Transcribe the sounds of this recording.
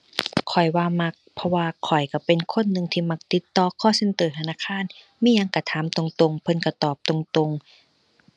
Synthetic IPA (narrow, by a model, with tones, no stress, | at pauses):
kʰɔ˨˩jwaː˧ma˧k̚pʰɔ˧waː˧kʰɔ˨˩jka˧˩pe˧nkʰo˧˥˨nːɯ˧ŋt̪ʰiː˧ma˧k̚t̪i˧˦t̪ːɔː˧kʰɔː˧˥˨se˧˥nt̪ɤː˨˩t̪ʰa˧naː˧˨kʰaː˧˥˨n | miː˧˥˨ja˧ŋka˧˩t̪ʰaː˨˦mt̪o˧ŋt̪o˧ŋpʰɤ˧˥nka˧˩t̪ɔː˨˩p̚t̪o˧ŋt̪o˧ŋ